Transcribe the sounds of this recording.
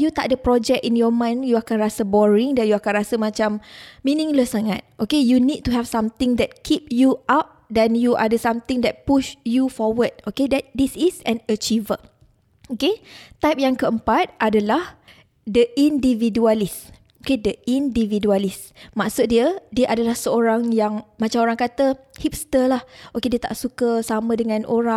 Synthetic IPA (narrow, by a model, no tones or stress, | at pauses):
jut̪a̰ʔ̚dəpɾɔd͡ʒɛk̚injɔmãjnjuakanrasəbɔɹiŋdãnjuakanɾasəmãt͡ʃammĩnĩŋləsːaŋa̰t̪̚ʔokejunid̚t̪ːuɦɛv̥sãmt̪ɪ̃ŋdɛt̚kʰip̚juʔap̚dɛnjuʔadəsamt̪ĩŋdɛt̚puʃjufɔwəd̚okedɛt̚disisɛ̃nət͡ʃivə | oket̪ajp̚jaŋkəəmpat̪̚ʔadalah | dəʔindividualis | okedəʔindividualis | maʔsut̪̚diədiəʔadalahsəoɾaŋjaŋmat͡ʃamoɾaŋkat̪əhip̚st̪əlahʔokediət̪a̰ʔsukəsamə̃dəŋãnʔoɾa